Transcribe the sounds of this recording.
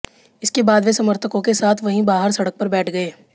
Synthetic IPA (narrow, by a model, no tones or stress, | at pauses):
ɪskebaːd̪ʋesɐməɾt̪ʰəkõkesaːt̪ʰʋɐɦĩbaːɦəɾsɐɽək̚pɐɾbɛːʈʰɡɐeː